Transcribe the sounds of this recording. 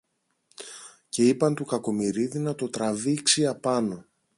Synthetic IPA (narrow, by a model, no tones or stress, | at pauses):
ce̞ipɐnt̪ukɐko̞miɾiðinɐt̪o̞t̪ɾɐviksiɐpɐno̞